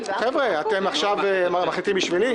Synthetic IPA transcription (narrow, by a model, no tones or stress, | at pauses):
χevʁeat̪emaχʃavemaχlit̪imbiʃvili